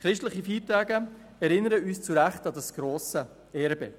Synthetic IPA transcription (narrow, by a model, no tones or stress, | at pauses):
χɾɪʃtləχifiːtæːɡə | ɛɾɪnːəɾəyːst͡suɾæχtɑdɑsɡ̥ɾoːsə | ɛːɾbɛ